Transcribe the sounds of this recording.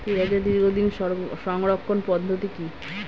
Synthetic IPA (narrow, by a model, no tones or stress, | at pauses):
t̪eɛed̪iɾɡʱod̪inʃɔʃɔŋɾokʰːonpɔd̪ʱːot̪iki